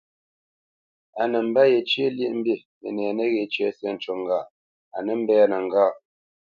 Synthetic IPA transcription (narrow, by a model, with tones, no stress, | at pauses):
a˨nə˨m̩˨˦ba˦je˨t͡ʃje˦lje˦ʔm̩˦bi˦˨ | mə̰˨nɛː˨nə˦ɣe˨t͡ʃɥɛ˦sjɛ˦n̩˨t͡ʃo˨ŋ˦ɡa˦˨ | a˨nə˦m̩˦bɛː˦nə˨ŋ˨ɡaː˦˨